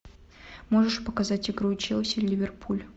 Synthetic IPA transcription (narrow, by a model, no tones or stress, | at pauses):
mo̞ʐɨʂpəkɐzatʲɪɡɾut͡ɕɛlˠsʲɪlʲlʲivʲerpʰulʲ